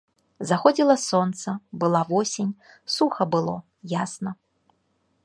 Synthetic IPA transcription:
zaxɔd͡zʲilˠɐsɔnt̪sɐbɨlˠavɔsʲenʲ | suxɐbɨlˠɔ | jasnɐ

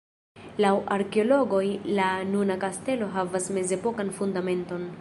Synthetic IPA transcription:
lawaɾkeo̞lo̞ɡo̞jlanunakaste̞lo̞ɦavasme̞ze̞po̞kanfundame̞nto̞n

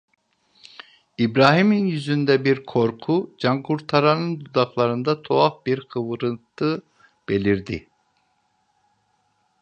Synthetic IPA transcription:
ibɾaːɦiminjyzynd̪ɛbiɾkʰo̞ɾkʰud͡ʒaŋkʰuɾt̪ʰaɾanɯnd̪ud̪aklˠaɾɯnd̪at̪ʰo̞afbiɾqʰɯvɯɾɯnt̪ʰɯ | b̥e̞lʲiɾd̪i

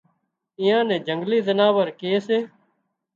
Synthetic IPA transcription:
ɪ̃ːjãːnɛ̃ːd͡ʒəŋɡliːzənaːʋəɾkeːseː

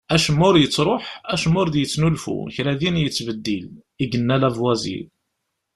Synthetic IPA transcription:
æʃəmːʊɾjət͡sːɾˤoħæʃəmʊɾd̪jət͡sːnulfṵçɾæðinjət͡sːvəd̪ːil | iɡənːælævwæzḭl

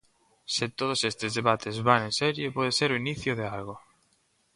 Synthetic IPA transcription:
sɪt̪oð̞osest̪ezðeβat̪ʰezβaŋẽnsɛɾjepɔð̞eseɾoiniθjoðealɣo

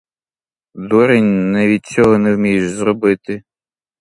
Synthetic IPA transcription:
d̪ɔɾɪnʲnɛʋʲid̪̚t͡sʲːɔɦɔnɛwmʲijʃzrɔbɪt̪ɪ

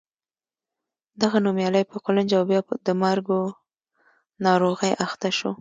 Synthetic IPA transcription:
d̪aɣanumjɑləjpəqoland͡ʒawbjɑd̪əmaɾɡo | nɑɾoɣəjʔaxt̪aʃo

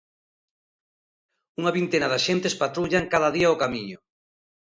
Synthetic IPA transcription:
uŋaβint̪enaðaʃent̪espat̪ɾuʎaŋkaðɐðiaokamiɲʊ

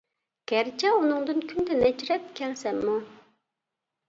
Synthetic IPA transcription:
ɡ̥ʲɛɾt͡ʃʰɛunɨŋd̪ɨnkʲʰynd̪ɛnɛt͡ʃiɾɛp̚kʲʰɛlsɛmːu

